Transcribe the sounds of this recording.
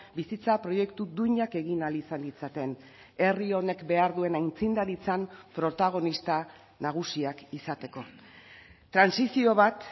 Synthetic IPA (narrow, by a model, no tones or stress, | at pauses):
bisit͡sapɾo̞je̞kt̪ud̪uɲake̞ɣinalisanlit͡sat̪e̞n | e̞rio̞ne̞kbe̞aɾðue̞najnt͡sind̪aɾit͡sampɾo̞t̪aɣ̞o̞nist̪a | naɣ̞usiakisat̪e̞ko̞ | t̪ːɾansisio̞β̞at̪